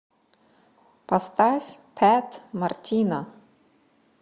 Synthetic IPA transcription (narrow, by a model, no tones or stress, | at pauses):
past̪afʲpʰæt̪martʲʰina